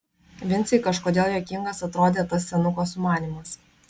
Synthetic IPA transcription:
ʋʲɪnʲt̪sʲɪkɐʃkoːd̪ʲeːlˠjʲɛkʲɪŋɡɐsɐt̪ɾoːd̪ʲeːt̪ɐsːʲɛnʊkoːsmɑːnʲiːmɐs

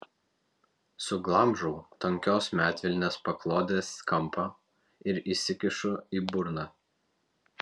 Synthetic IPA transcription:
sʊɡlˠɐmʒʊʊt̪ɔŋʲkʲoːsmʲæːt̪ʲʋʲɪlʲnʲeːspɐklˠoːd̪ʲeːskɐmpɐ | ɪɾisʲɪkʲɪʃʊiːbʊɾnɑː

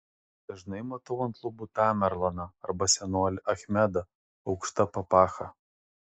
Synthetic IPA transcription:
d̪̥ɐʒnɐɪmɐt̪ʊʋɐnt̪lˠʊbut̪ɑmʲɛɾlˠɐnɐɐɾbɐsʲɛnoːlʲɪʔɐxʲmʲɛd̪ɐ | ɒʊkʃt̪ɐpɐpɑːxɐ

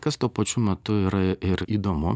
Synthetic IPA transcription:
kɐst̪uɔpɐt͡ʃʲuːmʲɛt̪ʊiːɾɐɪɾiːd̪oːmʊ

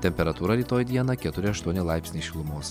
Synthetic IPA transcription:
t̪ʲɛmʲpʲɛɾɐt̪uːɾɐɾʲiːt̪oːjd̪ʲiɛnɐkʲɛt̪ʊɾʲɪɐʃt̪uɔnʲɪlˠɑˑɪpʲsʲnʲɛɪʃʲɪlˠʊmoːs

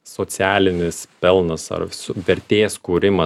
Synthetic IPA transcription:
soːsʲæːlʲɪnʲɪspʲɛlˠnɐsɐ̰rsʊʋʲɛɾʲt̪ʲeːskuːɾʲɪmɐ

